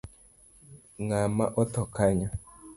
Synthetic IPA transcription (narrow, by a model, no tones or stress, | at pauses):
ŋamaʔɔt̪ɔkaɲa